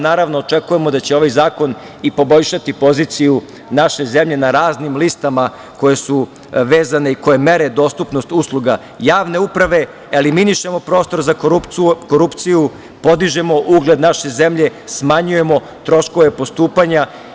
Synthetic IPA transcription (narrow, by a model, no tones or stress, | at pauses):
naːɾaʋnoːt͡ʃekuje̞mo̞d̪at͡ɕeo̞ʋajzaːko̞n | ipo̞bo̞ʎʃat̪ipo̞zit̪siju | naʃe̞ze̞mʎe̞naɾaːznimlist̪ama | ko̞je̞su | ʋeːzane̞iko̞je̞me̞ɾe̞d̪o̞ːst̪upnost̪uslˠuɡa | jaːʋne̞upɾaʋe̞ | eliminiʃe̞mo̞pɾo̞ːst̪o̞ɾzakoupkoɾupt̪siju | po̞d̪iʒe̞mo̞ʔuɡle̞d̪naʃe̞ze̞mʎe̞smaɲuje̞mo̞ | t̪ɾo̞ʃko̞ʋe̞po̞st̪uːpaɲa